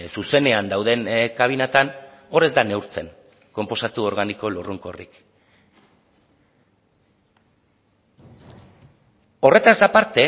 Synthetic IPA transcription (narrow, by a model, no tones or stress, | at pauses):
suse̞ne̞and̪awð̞e̞nkaβ̞inat̪ano̞ɾe̞zd̪ane̞wɾt͡se̞n | ko̞mpo̞sat̪uo̞ɾɣaniko̞luruŋko̞rḭk | o̞re̞t̪azd̪apaɾt̪e̞